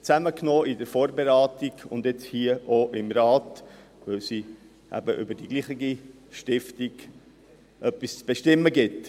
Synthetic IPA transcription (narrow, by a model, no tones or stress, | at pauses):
t͡sæməknoːɪdəɾfoːɾbeɾɑːtiɡ̥ʊ̰nd̪ɛt͡shiːəʔoʔɪmɾɑːt | ʋœʊsi | ʔæ̰bəʔʏ̰bədiɡliːχiɡi | ʃtɪftiɡ̥ | ʔœpːist͡sb̥eʃtɪmːəɡɪt